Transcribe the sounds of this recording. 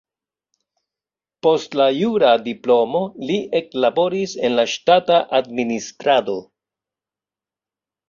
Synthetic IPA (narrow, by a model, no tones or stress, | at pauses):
po̞stlajuɾadiplo̞mo̞liʔe̞klabo̞ɾise̞nlaʃtataʔadministɾado̞